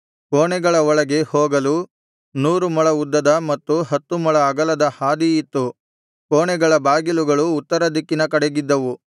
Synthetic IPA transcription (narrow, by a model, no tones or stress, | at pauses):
koːɳɛɡɐɭɐɔɭɐɡe̞hoːɡɐlu | nuːɾumɐɭɐud̪ːɐd̪ɐmɐt̪ːuɦɐt̪ːumɔɭɐːɡɐlɐd̪ɐhaːd̪ijit̪ːu | koːɳɛɡɐɭɐbaːɡiluɡɐɭuːt̪ːɐɾɐd̪ikːinɐkɐɽeɡid̪ːɐʋu